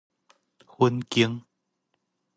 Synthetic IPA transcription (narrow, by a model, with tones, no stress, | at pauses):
xwu˧˦nki˧˦əŋ